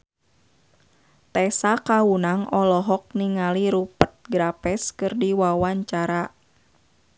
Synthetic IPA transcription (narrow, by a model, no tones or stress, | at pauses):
t̪ɛsakaunaŋɔlɔɦɔk̚niŋaliɾupət̪̚ɡɾapɛskɨrdiwawaɲt͡ʃaɾa